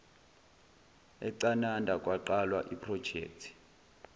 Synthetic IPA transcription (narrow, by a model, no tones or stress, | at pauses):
ɛǀanandʱakʼwaǃalwaʔipʰrɔd̥ʒ̥ʱɛ̰ːk̚tʰi̥